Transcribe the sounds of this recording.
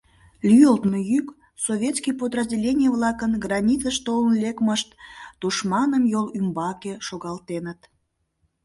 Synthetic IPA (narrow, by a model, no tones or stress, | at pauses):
lʲyjəlt̪mojyk | sovʲet̪skʲijpod̪rəzʲdʲelʲenʲijəβlɑkənɡrɑnʲit͡səʃt̪olənlekməʃt̪d̪̥uʃmɑnəmjolymbɑkeʃoɣɑlt̪enət̪